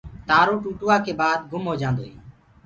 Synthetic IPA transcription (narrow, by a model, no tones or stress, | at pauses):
t̪aːɾoːʈuːʈʊːaːkeːbaːd̪̚ɡʊmɦoːd͡ʒãːnd̪oːɦḛː